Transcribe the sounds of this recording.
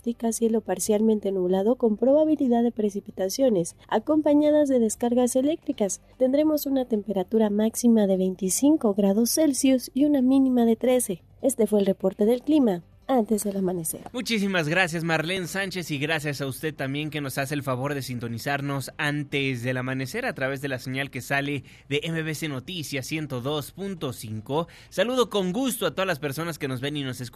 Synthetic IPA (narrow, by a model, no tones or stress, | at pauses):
t̪ikasje̞lo̞paɾsjalmẽnt̪e̞nuβlað̞o̞ko̞mpɾo̞βaβ̞iliðaðe̞pɾe̞sipit̪asjo̞ne̞sa̰ko̞mpaɲað̞azðe̞ðe̞skaɾɣase̞le̞k̚t̪ɾikast̪e̞nd̪ɾe̞mo̞sunat̪e̞mpe̞ɾat̪uɾamaksimaðe̞βe̞jnt̪isiŋko̞ɣɾað̞o̞sːe̞lsjusiunamĩnĩmaðe̞t̪ɾe̞se̞ | e̞st̪e̞fwe̞ːlrepo̞ɾt̪e̞ðe̞lklima | ant̪e̞zðe̞lamãnese̞̰ɾmut͡ʃisimazɣɾasjazmaɾlensant͡ʃe̞siɣɾasjasaust̪e̞ð̚t̪ːambje̞ŋke̞no̞sase̞ːlfaβoɾðe̞sint̪o̞nisaɾno̞sant̪ezðe̞lamãne̞se̞ɾat̪ɾaβe̞zðe̞laseɲalke̞sale̞ | ðe̞ʔemeβeseno̞t̪isjasje̞nt̪o̞ðo̞spunt̪o̞siŋko̞ | saluð̞o̞ko̞ŋɡust̪oat̪o̞ðalaspe̞ɾso̞naske̞no̞zβenino̞sesk